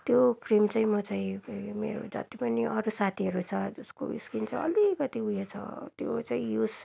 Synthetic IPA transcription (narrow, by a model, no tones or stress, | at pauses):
t̪jokrimt͡saĩmʌt͡saĩmḛɾo̰d͡zʌ̰t̪ipʌniʔʌɾusat̪ʰiɦʌɾut͡sʰʌusko̰ḭskint͡sʰʌʌlikʌt̪iujet͡sʰʌ̰t̪jot͡saĩjus